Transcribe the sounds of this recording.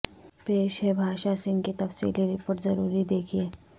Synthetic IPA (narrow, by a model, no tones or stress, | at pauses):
peːʃɦɛbʱaːʃasɪ̃ŋɡkit̪ɐfsḭːliɾɪpoːɾʈzɐɾuːɾid̪eːkʰieː